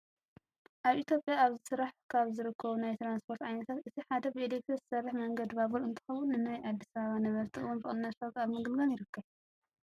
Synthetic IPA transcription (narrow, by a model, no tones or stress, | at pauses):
ʔaβʔit̪ʰjo̞pʼjaːβzɨsɨɾaħkʰaβzɨɾɨkʰːɐβunajt̪ɾanspʰo̞ɾt̪ʕajnɐt̪ʰat̪ʔɨt̪ʰiħad̪ɐbɨed̪ek̚t̪ʰezɨ̥sɐrːɨħmɐŋɡɐd̪βaβulɨnt̪ʰɨ̥xɐwʊnːɨnajʔad̪ːisɐβɐβanɐβɐɾt̪ʰiɨ̰wonbɨχʼɨnːɐt̪foɡaβmɨɡɨlɡanjɪɾɨkːɐβ